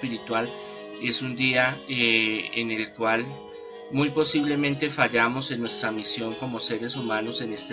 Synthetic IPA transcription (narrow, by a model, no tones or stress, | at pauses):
piɾit̪wal | e̞sund̪ia | ene̞lkwal | mujpo̞siβle̞mẽnt̪e̞faʝamo̞se̞nːwe̞st̪ɾamisjo̞ŋko̞mo̞se̞ɾe̞sumano̞se̞ne̞st̪e